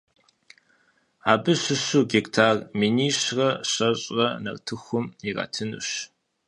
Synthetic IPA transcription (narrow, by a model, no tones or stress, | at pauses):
aːbɨɕɨɕuɡektʰaːrminiːɕrɐɕɐɕʼrɐnɐ̰rtʰɨxʷʊmirɐ̰ːtʰɨnṵɕ